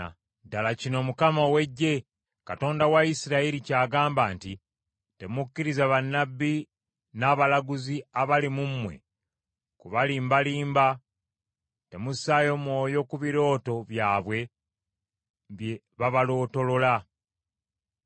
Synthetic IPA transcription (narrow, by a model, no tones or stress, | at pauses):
dalacino̞mukamawe̞ɟːe̞ | kato̞ːndawaisiɾaiɾicaːɡaːmbaːnti | te̞mukːiɾizaβanːabːi | naːβalaɡuziaβalimumːwe̞̰ | kuβaliːmbaliːmba | te̞musaːjo̞mwo̞ːjo̞kuβiɾo̞ːto̞βjaːβwe̞ | βje | βaβalo̞ːto̞lo̞la